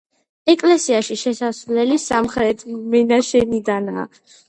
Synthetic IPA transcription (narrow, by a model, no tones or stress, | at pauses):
ɛkʼlɛsiaʃiʃɛsasvlɛlisamχɾɛt̪ʰmɛnaʃɛnid̪ana̰ː